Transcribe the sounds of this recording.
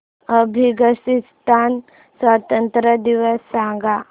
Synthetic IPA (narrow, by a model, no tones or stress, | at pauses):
ɐbʱiɡəsist̪ʰaːn | swaːt̪ənt̪ɾəd̪iʋəsːãːɡa